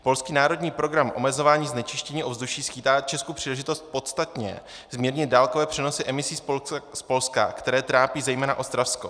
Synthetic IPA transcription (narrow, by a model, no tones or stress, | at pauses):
po̞lskiːnaːɾo̞dɲiːpɾo̞ɡɾamʔo̞̰mɛzo̞vaːɲiːznɛt͡ʃɪʃcɛɲiːʔo̞vzduʃiːsxiːt̪aːt͡ʃɛskupr̥iːlɛʒɪt̪o̞st̪̚po̞t̪st̪at̪ɲɛ̰ | zmiːɾɲɪt̪̚daːlkovɛːpr̥ɛnosɪʔɛmɪsiːspo̞lska̰kt̪ɛɾɛːt̪ɾaːpiːzɛjmɛːnaʔo̞st̪ɾafsko̞̰